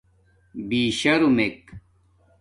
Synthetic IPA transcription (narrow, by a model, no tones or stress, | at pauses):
biːɕɐɾumek